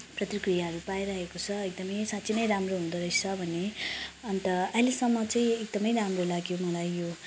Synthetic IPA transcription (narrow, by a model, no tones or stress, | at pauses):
prʌt̪rikrijaɦʌɾupajɾʌɦekot͡sʰʌek̚d̪ʌmʌjsatt͡sʰinʌjɾamroɦũnd̪ʌɾʌjt͡sʰʌbʱʌneʌnt̪ʌʌɦilesʌmːʌt͡saĩek̚d̪ʌmʌjɾamrolaɡjomʌlajːo